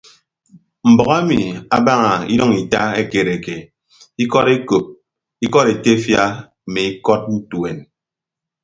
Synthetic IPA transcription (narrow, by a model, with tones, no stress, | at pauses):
m̩˨bɔ˨ɣa˦mi˨a̰˦ba˦ŋa˨ḭ˦ɾɔ˦ŋi˨ta˦e˦ke˨ɾe˨ke˨ | i˦kɔ˦ɾe˦ko˨p̚ | i˦kɔ˦ɾe˨te˦fja˦˨ | me˨i˦kɔ˦t̚u˦tu˨e˨n